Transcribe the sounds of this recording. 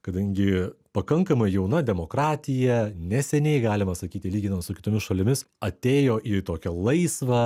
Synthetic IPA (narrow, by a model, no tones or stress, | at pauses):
kɐd̪ɐŋʲɡʲɪpɐkɐŋkɐmɐɪjɛʊnɐd̪ʲɛmoːkɾɑːt̪ʲɪjɛnʲɛsʲɛnʲɛɪɡɑːlʲɪmɐsɐkʲiːt̪ʲɪlʲiːɡʲɪnɐmt̪sʊkʲɪt̪oːmʲɪsʃɐlʲɪmʲɪs | ɐt̪ʲeːjoːʔit̪oːkʲɛlˠɐɪsʋɐ